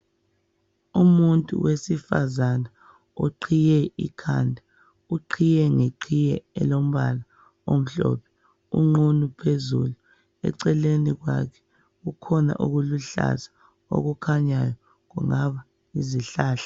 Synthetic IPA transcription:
umuntʼṵwʔesifa̰zana | oǃʰijɛḭkʰandʱa | uǃʰijɛŋeǃʰijɛɛlom̩βala | om̩ɬɔ̰ːpʰɛ̥ | ṵŋ͡ǃunupʰezṵlu | ɛ̰ǀɛleniɣwa̰kʰɛ̥ | ɣukʰɔna̰ʔuɣuluɬa̰za | o̰ɣukʰaɲajɔ | ŋuŋaβa | iziɬaːɬḁ

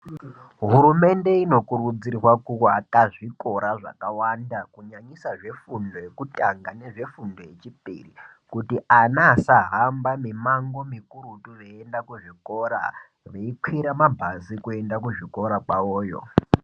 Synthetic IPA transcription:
ɦuɾume̞nde̞ino̞kuɾud͡zirwakukoakaʐiko̞ɾaʐa̰kawandakuɲaɲisaʐe̞fundo̞jekutaŋɡane̞ʐe̞fundo̞je̞t͡ʃipḭrikutiʔanaːsaɦambamimaŋɡo̞mikuɾutureendakuʐiko̞ɾa̰ | reikwiɾamabʱazikue̞ndakuʐikoɾakwaoːjo̞̰

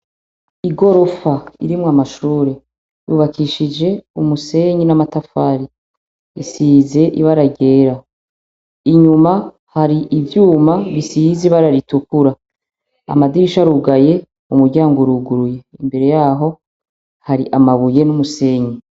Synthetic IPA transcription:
iɡo̞ɾo̞faḭɾimŋamaʃuːɾe̞ | juːβakʰiʃid͡ʒe̞umuse̞ɲinamatafaːɾi | isiːze̞ʔiβaɾaɟe̞ːɾa | iɲuma | haɾiʔivjuːmaβisiziβaɾaɾitukuɾa | a̰madiɾiʃaɾuɡaje̞ | umuɾɟaːŋɡoɾuɡuɾuje̞imbe̞ɾe̞jaːɦo̞ | haɾiʔamaβuje̞numuse̞ːɲi

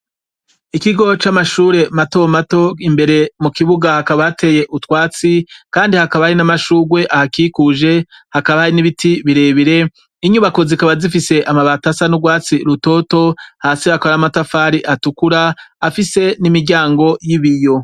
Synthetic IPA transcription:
ikiɡo̞t͡ʃamaʃuːɾe̞mato̞mato̞imbe̞ɾe̞mukiβuɡahakaβatʰe̞je̞ʔutwaːt͡sikaːndihakaβahaɾinamaʃuːɡwe̞ʔahakikuʒe̞hakaβahaɾiniβitʰiβiɾe̞ːβiɾe̞ | iɲuβako̞zikaβazifise̞ʔamaβatasanuɡwaːt͡siɾuto̞to̞haːsiakoɾamatafaɾiʔatukuɾaːfise̞nimiɾɟaːŋɡo̞jiβijo̞

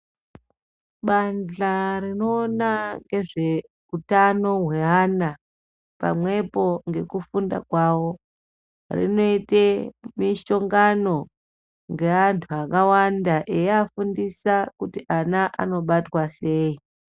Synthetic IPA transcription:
ɓand͡ɮarinoːnaŋɡe̞ʐe̞ | utano̞ɦwe̞ana | pa̰mwe̞po̞ŋɡe̞kufunda̰kwawo̞ | rḭno̞itemiʃo̞ŋɡano̞ | ŋɡe̞antʰuakawandaʔejafundisakutiʔanaʔa̰no̞ɓatwase̞ːi

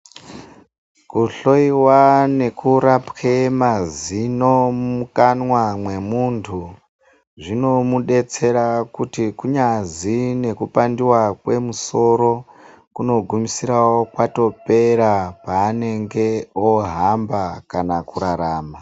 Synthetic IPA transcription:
kuɬo̞iwane̞kuɾapkemazino̞mukanwamwe̞muntʰu | ʐino̞muɗe̞t͡se̞ɾakutikuɲazine̞kupandiwakwe̞muso̞ɾo̞ | kuno̞ɡʱumisiɾawokwato̞pe̞ɾapaːne̞ŋɡe̞oɦambakanakuɾaɾaːma

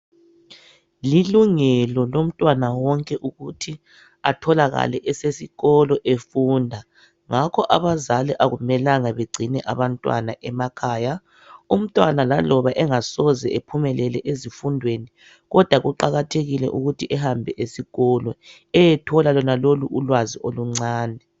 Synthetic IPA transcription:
liluŋɛlɔlom̩tʼwanawɔŋkʼɛʔuɣutʰi | atʰɔlaɣa̰lɛʔɛsesiɣɔlɔʔefuːndʱa | ŋakʰɔʔaβazaliʔaɣumɛlaŋaβeɡ͡ǀʱinɛʔaβantʼwa̰naʔɛmakʰaːja | um̩tʼwanalalɔβaʔɛŋasɔzɛepʰumɛlɛlɛʔezifundʱweni | ɣɔd̥ʱwaɣuǃaɣatʰeɣilɛ̰ʔuɣutʰiʔɛhambʱɛʔesiɣɔlɔ | ɛjɛtʰɔlalɔnaloluʔulwaziʔoluŋ͡ǀaːnʱɛ

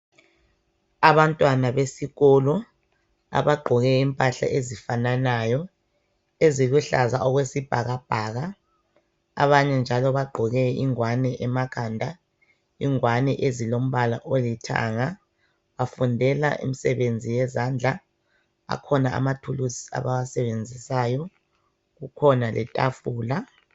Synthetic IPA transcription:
aβantʼwanaβesiɣɔlɔ | a̰βaɡ͡ǃʱɔɣɛimpʼaɬa̰ʔezifananajɔ | eziluɬazaʔɔɣwesib̥ʱaɣab̥ʱaːɣaː | βaɲɛnd͡ʒʱalɔβaɡ͡ǃʱɔɣɛiŋwanɛʔɛmakʰandʱa | iŋwanɛʔezilom̩βala̰ʔolitʰa̰ŋa | βafundʱɛla̰ʔḭmisɛβend͡zʱijɛzand͡ɮʱa | a̰kʰɔnaa̰matʰulusi̥a̰βawasɛβend͡zʱisajɔ | ɣukʰɔnalɛ̰tʼa̰fuːla

